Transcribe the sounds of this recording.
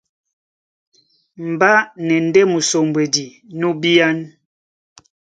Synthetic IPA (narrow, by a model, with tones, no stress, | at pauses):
m̩˨ba˦nɛ˨n̩˦dɛ˦mu˨so˨mbwɛ˨di˨ | nu˦bi˦a˦n